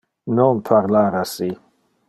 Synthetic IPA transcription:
nɔnpʰaɾlaɾasi

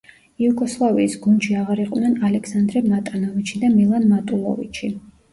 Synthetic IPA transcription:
iuɡʼɔslˠaviːsɡund̪ʃiaʁaɾiqʼwnɛnalɛkʰsand̪ɾɛmat̪ʼanɔvit͡ʃʰid̪amilˠanmat̪ʼulˠɔ̰vḭt͡ʃʰi

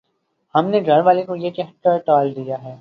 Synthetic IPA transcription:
hɐmneɡʱɐɾʋaːlekojekɛɦʈəɾʈɔːld̪ijaɦɛː

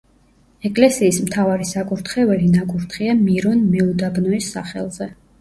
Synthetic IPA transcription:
ɛkʼlɛsiːsmt̪ʰavaɾisakʼuɾt̪ʰχɛvɛlinakʼuɾt̪ʰχiamiɾɔnmɛud̪abnɔisːaχɛ̰lˠzɛ

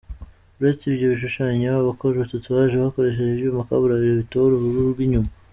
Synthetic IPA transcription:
uɾet͡sijo̞βiʃ̬uʃaːɲeβakoʒetatuβaʒeβahako̞ɾe̞ʃ̬e̞ʒeʒeumaka̰βuɾaβiɾeβitoɾoβuɾuɾɾɡwiɲuma

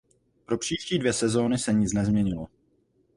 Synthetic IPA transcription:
pɾo̞pr̝̥iːʃciːdvjɛsɛzo̞ːnɪsɛɲɪt͡snɛzmɲɛɲɪlo

